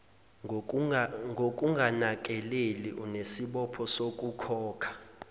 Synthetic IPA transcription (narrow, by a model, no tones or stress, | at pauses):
ŋɡʱok̬ʼuŋɡʱanak̬ʼɛlelḭʔunesiɓɔpʰɔsokʼukʰɔːkʰḁ